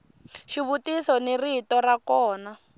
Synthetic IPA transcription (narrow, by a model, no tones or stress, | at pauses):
ʃiβutisɔniritɔrakɔːna